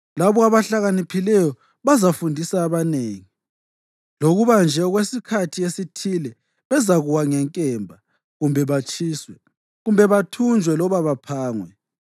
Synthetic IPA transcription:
laβɔaβaɬaɣanipʰilɛjɔ | βazafundʱisaːβaneːŋi | loɣuβand͡ʒʱɛɣwesikʰatʰiesitʰilɛ | βɛzaɣuwaŋɛŋkʼɛmbʱa | ɣumbʱɛβat͡ʃʼiːswɛ | ɣumbʱɛβatʰund͡ʒʱwɛlɔβaβapʰaːŋwɛ

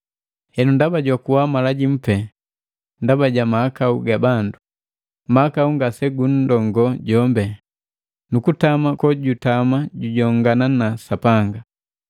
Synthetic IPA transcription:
hɛnundabaɟwakuwamalaɟim̩pɛ | ndabaɟamahakauɡabandu | maakauŋɡasɛɡun̩dɔŋɡɔɟɔmbɛ | nukutamakɔɟutamaɟuɟɔŋɡananasapaŋɡa

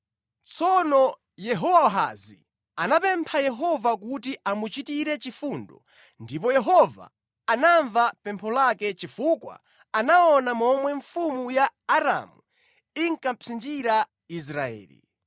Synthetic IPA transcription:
t͡sʰɔnɔ | jɛɦɔwaɔɦa̰zḭ | anapɛmpʰajɛɦɔvakutiʔamut͡ʃitiɾɛt͡ʃifundɔ | ndip̬ɔjɛɦɔva̰ | anaɱvapɛmpʰɔlakɛt͡ʃifukwa̰ | anaɔnamɔmwɛɱfumujaːɾa̰mu | iŋkam̩pʰind͡ʒiɾa | is̬ɾaɛ̰ːlḭ

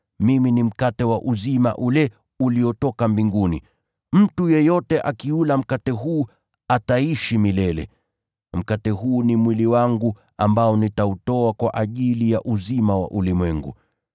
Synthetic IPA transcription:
miminim̩katɛwaʔuzima̰ʔulɛ | uliɔtɔkambiŋɡunḭ | m̩tujɛjɔtɛʔakiulam̩katɛɦuː | ataiʃimilɛlɛ̰ | m̩katɛɦuːnimwiliwaŋɡu | ambaɔnitautɔakwaʔaʄilijaʔuzimawa̰ʔulimwɛŋɡṵ

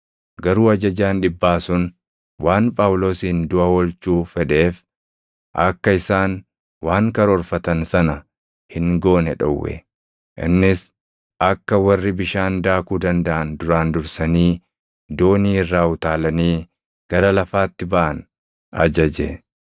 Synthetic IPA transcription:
ɡɐɾuːɐd͡ʒɐd͡ʒaːnᶑɪbːaːsʊn | waːnpʼaːwlo̞ːsiːnd̪ʊʔɐwɔlt͡ʃuːfɛᶑe̞ːf | ʔɐkːɐɪsaːn | waːŋkɐɾɔːɾfɐt̪ɐnsɐnɐ | hɪŋɡoːnɛᶑɔ̰wːɛ̰ | ʔɪ̰nːɪs | ʔɐkːɐwɐrːɪbɪʃaːnd̪aːkuːd̪ɐnd̪ɐʔɐnd̪ʊɾaːnd̪ʊɾsɐniː | d̪oːniːɪrːaːʊt̪aːlɐniː | ɡ̥ɐɾɐlɐfaːt̪ːɪbɐʔɐn | ɐ̰d͡ʒɐd͡ʒɛ

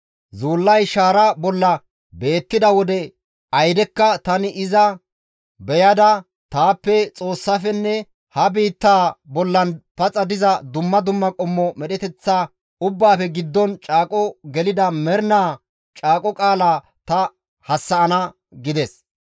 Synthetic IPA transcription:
zuːlːɐjʃaːɾɐbɔlːɐ | be̞ːt̪ːɪd̪ɐwɔd̪ɛ | ɐjd̪ɛkːɐt̪ɐnɪʔɪzɐ | bɛjɐd̪ɐ | t̪aːpːɛt͡sʼo̞ːsːafɛnːɛ | hɐbiːt̪ːaːbɔlːɐnpɐt͡sʼɐd̪ɪzɐd̪ʊmːɐd̪ʊmːɐkʼɔmːɔmɛɗɛt̪ɛt͡sːaː | ʊbːaːfɛɡɪd̪ːɔnt͡ʃʼaːkʼɔɡɛlɪd̪ɐmɛɾnaː | t͡ʃʼaːkʼɔkʼaːlaː | t̪ɐ | hɐsːɐʔɐnɐ | ɡɪd̪ɛs

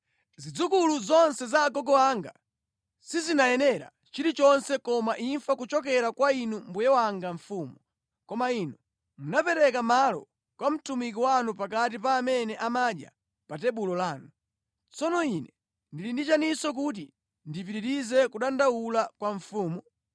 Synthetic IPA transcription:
zid͡zukuluzɔnsɛzaːɡɔɡɔwaŋɡa̰ | sizinajɛnɛɾa̰ | t͡ʃiɾit͡ʃɔnsɛkɔmaʔiɱfakut͡ʃɔk̬ɛɾakwainumbujɛwaŋɡaɱfuːmu | kɔmainu | munapɛɾɛkamalɔ̰ | kwam̩tumik̬iwanupak̬at̬ipaːmɛnɛʔamaɗja̰ | patɛɓulɔlaːnu | t͡sɔnɔinɛ | ndilindit͡ʃanisɔk̬ut̬i | ndip̬iɾiɾizɛkuɗandawulakwaɱfuːmɔ

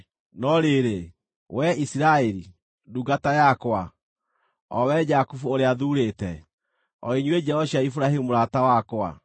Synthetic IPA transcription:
nɔɾeɾe | wʔɛisiɾaeɾi | duɡatajakwa | ɔwɛd͡ʒakufuoɾeaðuɾetɛ | ɔiɲwed͡ʒɛɔɕjaifuɾaɦimuɾatawakwa̰

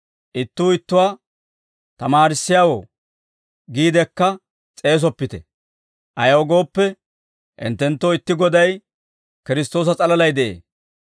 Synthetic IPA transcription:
ʔɪt̪ːuːɪt̪ːʊwaː | t̪ɐmaːɾɪsːɪjaːwo̰ː | ɡiːd̪ɛkːɐ | t͡sʼe̞ːs̬ɔpːɪt̪ɛ | ʔɐjɐɔɡo̞ːpːɛ | ʔɪ̰nt̪ːɛnt̪ːoːɪt̪ːɪɡɔd̪ɐj | kɪɾɪst̪o̞ːs̬ɐt͡sʼɐlɐlɐjd̪ɛʔḛː

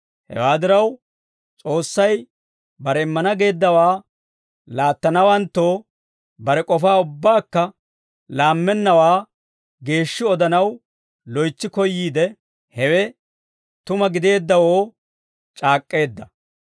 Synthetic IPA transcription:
hɛ̰waːd̪ɪɾɐw | t͡sʼo̞ːsːɐj | bɐɾɛɪmːɐnɐɡe̞ːd̪ːɐwaː | laːt̪ːɐnɐwɐnt̪ːo̞ː | bɐɾɛkʼɔfaːʊbːaːkːɐ | laːmːɛnːɐwaː | ɡe̞ːʃːɪɔd̪ɐnɐw | lɔjt͡ʃːɪkɔjːiːd̪ɛ | hɛwɛ | t̪ʊmɐɡɪd̪e̞ːd̪ːɐwoː | t͡ʃʼaːkʼːe̞ːd̪ːɐ

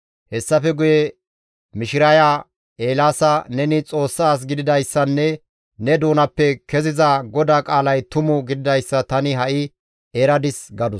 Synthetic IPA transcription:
hɛsːɐfɛɡʊjɛ | mɪʃɪɾɐjaː | ʔeːlaːsɐnɛnɪt͡sʼo̞ːsːaːs̬ɡɪd̪ɪd̪ɐjsːɐnːɛ | nɛd̪oːnɐpːɛkɛzɪzɐɡɔd̪aːkʼaːlɐjt̪ʊmʊɡɪd̪ɪd̪ɐjsːɐt̪ɐnɪɦɐʔɪ | ɛɾɐd̪ɪsɡɐd̪ʊ

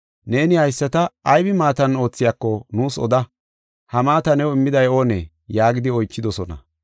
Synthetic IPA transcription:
ne̞ːnɪhɐjsːɐt̪ɐːjbɪmaːt̪ɐno̞ːt͡sːɪjaːkːɔnuːsɔ̰d̪ɐ | hɐmaːt̪ɐnɛwɔɪmːɪd̪ɐjo̞ːnḛː | jaːɡɪd̪ɪɔjt͡ʃːɪd̪ɔsɔnɐ̰

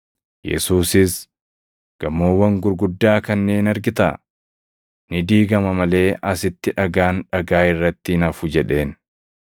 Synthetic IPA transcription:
jɛ̰suːsɪs | ɡ̥ɐmːoːwːɐŋɡʊɾɡʊd̪ːaːkɐnːe̞ːnɐɾɡɪt̪ɐ̰ | nɪd̪iːɡɐmɐmɐle̞ːʔɐsɪt̪ːɪᶑɐɡaːnᶑɐɡaːɪrːɐt̪ːɪɪnɐfʊd͡ʒɛᶑe̞ːn

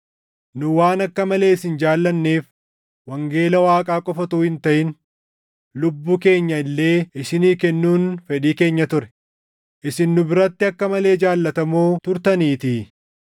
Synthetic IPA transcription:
nʊwaːnɐkːɐmɐle̞ːɪsɪnd͡ʒaːlːɐnːe̞ːf | wɐŋɡe̞ːlɐwaːkʼaːkʼɔfɐt̪uːhɪnt̪ɐʔɪn | lʊbːuːke̞ːɲːɐɪlːe̞ːʔɪsɪniːkɛnːuːnfɛᶑiːke̞ːɲːɐt̪ʊɾɛ̥ | ʔɪsɪnːʊbɪɾɐt̪ːɪɐkːɐmɐle̞ːd͡ʒaːlːɐt̪ɐmoːt̪ʊɾt̪ɐniːt̪ɪ

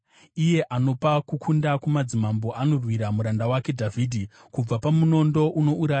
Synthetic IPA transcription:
ije̞ʔano̞pakukʰundakumad͡zimambo̞ʔano̞rwiɾamuɾandawake̞dʱaviːdʱi | kub͡vapamuno̞ndo̞ʔuno̞uɾaːja

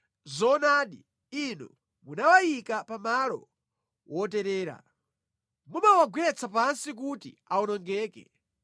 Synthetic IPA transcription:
zɔnaːɗi | inɔ̰ | munawajikapamalɔ̰ | wɔtɛɾɛːɾa̰ | mumawaɡwɛt͡sʰapansik̬utḭaɔnɔŋɡɛːkɛ̰

